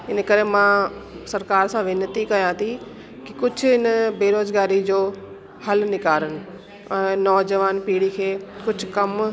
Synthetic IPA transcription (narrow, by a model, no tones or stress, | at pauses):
ɪn̆kɐɾemãsɐɾkaːɾsãʋɪnət̪ikɐjãːt̪ʰi | kikʊd͡ʑʱʊɦɪnəbeːɾoːzɡaːɾid͡ʑoː | hɐlnɪkaːɾənɪ̆ | ɛ̃ːnɔːd͡ʑəʋaːnpiːɽikʰeːkʊd͡ʑʱʊkɐm